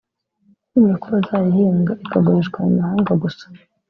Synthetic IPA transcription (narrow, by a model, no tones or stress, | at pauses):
kuɾakuβazaːjihiːŋɡaʔikaɡaɾiʒɡwaumahaːŋɡaɡusḁ